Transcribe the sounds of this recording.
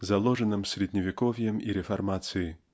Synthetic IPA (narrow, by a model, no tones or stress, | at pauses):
zalˠɔʐɐnɨmsʲɾʲɛd̪ʲnʲɐvʲikɔvʲjɛmiɾɛfarmat̪sɨji